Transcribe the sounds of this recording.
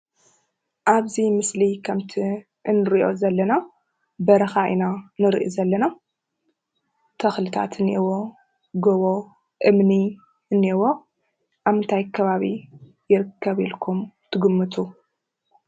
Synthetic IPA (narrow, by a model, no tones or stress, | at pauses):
ʔaβzimɨslikʰɐmt̪ʰi | ʔɨnɨɾiʔo̞zɐlːɐna | bɐɾɐxaʔḭnanɨɾʔḭzɐlːɐna | t̪ʰɐxlɨt̪ʰa̰t̪ʰɨniwo̞ | ɡoβo | ʔɨmni | ɨnːiwo̞ | ʔaβɨnt̪ʰajkʰːɐβaβi | jɪɾɨkʰːɐβilkʰumt̪ʰɨɡɨmːɨt̪ʰu